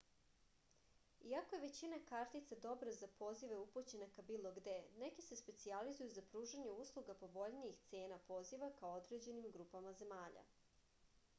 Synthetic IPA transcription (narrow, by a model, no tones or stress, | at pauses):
iakojeʋe̞t͡ɕinakaɾt̪it̪sad̪o̞bɾazapo̞ːziʋe̞uput͡ɕenakabiːlˠo̞ɡd̪e̞nekise̞spe̞t̪sializujuzapɾuːʒaɲeuslˠuɡapo̞ʋo̞ʎniixt̪seːnapo̞ziʋakaood̪ɾed͡ʑe̞nimɡɾupamaze̞maːʎa̰